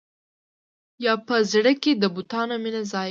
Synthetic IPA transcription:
jɑpəzɽəked̪əbut̪ɑnominazɑ

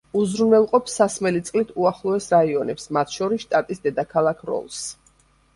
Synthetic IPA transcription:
uzɾunɛlˠqʼɔpsːasmɛlit̪sʼlit̪ʰuaχlˠɔɛsɾaiɔnɛpsmat̪ʰʃɔɾisʃt̪ʼat̪ʼisd̪ɛd̪akʰalˠakʰɾɔ̰lˠs

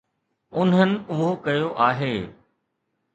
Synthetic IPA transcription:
ʊnɦənɪ̆ʊɦokɐjoʔaːɦeː

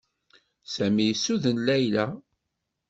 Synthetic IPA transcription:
sæmijsːuðənlæjlæ

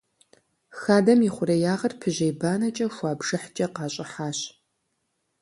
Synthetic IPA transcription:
xaːdɐmɪχʷʊɾɐjaːʁɐrpʰɨʑejbaːnɐt͡ʃʼɐxʷɑːbʒ̥ɨħt͡ʃʼɐqɑːɕʼɪħaːɕ

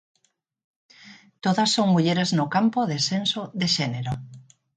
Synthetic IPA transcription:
t̪oðasːoŋmuʎeɾeznʊkampoðesensoðeʃeneɾo

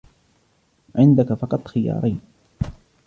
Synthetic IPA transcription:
ʕɪnd̪akafɑqɑt̪ˤxɪjɑ̰ːɾˤʔajn

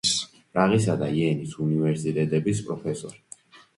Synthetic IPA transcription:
s | pʼɾaʁisad̪aiɛnisunivɛɾsit̪ʼɛt̪ʼɛbispʼɾɔpʰɛsɔɾi

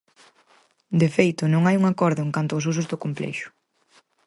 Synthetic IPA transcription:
d̪efejt̪ʊnõŋajuŋakɔɾðʊeŋkant̪ʊaosus̬ʊzðʊkomplɛ̰ʃʊ̥

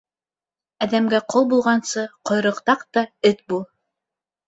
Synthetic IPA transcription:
æðæmɡæqolˠbulˠʁɑnsɤqŏjɾɤ̆qt̪ɑqt̪ɑɘt̪̚bulˠ

